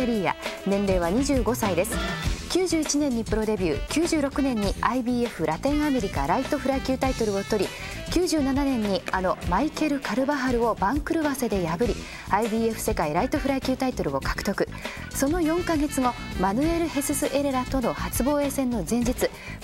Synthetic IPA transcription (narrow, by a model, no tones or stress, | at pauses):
eɾʲiːja̰nẽ̞nɾe̞ːβaɲ̟iʑɨːɡo̞said̪e̞sɨ̥kʲɨːʑɨːit͡ɕinẽ̞ɲ̟ːipɯ̟ɾo̞d̪e̞bʲɨːkʲɨːʑɨːɾo̞kɯ̟nẽ̞ɲ̟ːiaibʲiːe̞ɸɯ̟ɾʔat̪ẽ̞ɰ̃ame̞ɾʲikaɾait̪o̞ɸɯ̟ɾaikʲɨːt̪ait̪o̞ɾɯ̟o̞t̪o̞ɾʲi | kʲɨːʑɨːnananẽ̞ɲ̟ːiano̞maike̞ɾɯ̟kaɾɯ̟baɦaɾɯ̟o̞bãŋkɯ̟ɾɯ̟base̞d̪e̞jabɯ̟ɾʲi | aibʲiːe̞ɸɯ̟̥se̞kaiɾait̪o̞ɸɯ̟ɾaikʲɨːt̪ait̪o̞ɾɯ̟o̞kḁkɯ̟̥t̪o̞kɯ̟ | so̞no̞jõ̞ŋkaɡe̞t͡sɨŋo̞manɯ̟e̞ɾɯ̟he̞sɨsɨʔe̞ɾeɾat̪o̞no̞hat͡sɨbo̞ːe̞ːsẽ̞nːo̞zẽ̞ɲ̟d͡ʑit͡sɨ